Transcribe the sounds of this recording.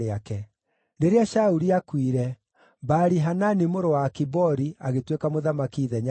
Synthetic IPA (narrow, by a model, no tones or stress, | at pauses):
eakɛ | neɾeaʃauɾiakwiɾɛ | baɾiɦananimoɾowaːkibɔɾiaɣetwekamoðamakiðɛɲa